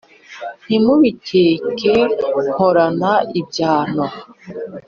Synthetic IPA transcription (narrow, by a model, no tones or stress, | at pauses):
n̥imuβicʰeːkʰehoɾanaib̚ɟaːno